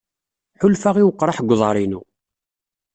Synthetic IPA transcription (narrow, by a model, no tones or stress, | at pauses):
ħʊlfaʁiwəqːɾˤɑħɡʷːðˤɑɾˤinṵ